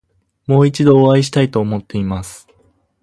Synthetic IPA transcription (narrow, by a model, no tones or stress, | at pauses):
mo̞ːit͡ɕid̪o̞ːaiɕi̥t̪ait̪o̞ːmo̞t̪ːe̞imasɨ̥